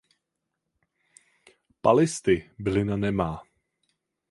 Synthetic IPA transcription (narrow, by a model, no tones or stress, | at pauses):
palɪst̪ɪbɪlɪnanɛmaː